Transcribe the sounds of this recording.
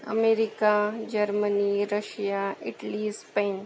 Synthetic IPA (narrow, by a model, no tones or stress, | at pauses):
ə̰meɾɪkad͡ʒəɾməniɾəʃjaɪʈlispẽːn